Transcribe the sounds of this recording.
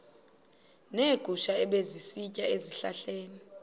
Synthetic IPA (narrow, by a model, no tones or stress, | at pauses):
neɡ̥ʱuʃaɛɓezisicʼaeziɬaɬeːni